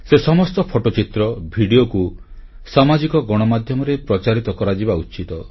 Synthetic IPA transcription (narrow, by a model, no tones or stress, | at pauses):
sesɔmɔst̪ɔpʰoʈot͡ʃit̪ɾɔbʱiɽioku | samad͡ʒikɔɡɔɽ̃ɔmad̪ʱjɔmɔɾepɾɔt͡ʃaɾit̪ɔkɔɾad͡ʒibaut͡ʃit̪ɔ